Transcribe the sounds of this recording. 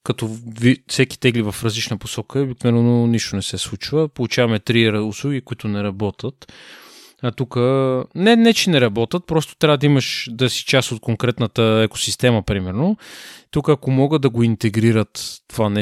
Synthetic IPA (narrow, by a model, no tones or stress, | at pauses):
kɐt̪ɔvifsɛki̥t̪ɛɡlivɐfɾɐzlit͡ʃnəposɔkəɛobik̚novɛɛnoniʃt̪onɛsɛslˠut͡ʃvəpolˠut͡ʃavɐmɛt̪ɾiɾʊslˠuɡʲikʊit̪ʊnɛɾɐbɔt̪ʰət̪ | ɐt̪ukənɛnɛt͡ʃɛnɛɾɐbɔt̪ət̪̚pɾɔst̪o̥t̪ɾʲavəd̪ɐiməʃd̪ɐsi̥t͡ʃast̪ot̪̚koŋkɾɛt̪nət̪əɛko̥sist̪ɛməpɾimɛɾnot̪ukəːkomɔɡəd̪ɐɡoint̪ɛɡɾiɾət̪ːovanɛ